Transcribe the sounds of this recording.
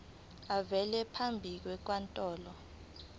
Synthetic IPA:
avɛlɛpʰambʱik̬wɛk̬wantʼɔːlɔ

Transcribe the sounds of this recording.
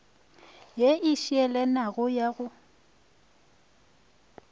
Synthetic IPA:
jeʔɪʃiɛlɛnaɣʊjaɣʊ

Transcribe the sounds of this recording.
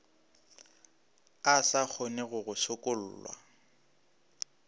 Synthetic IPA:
asak͡xʰonɪɣʊɣʊsʊkʼʊl̩ːlwa̰

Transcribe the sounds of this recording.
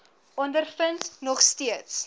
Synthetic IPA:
ɔndərfəntnɔχstiəts

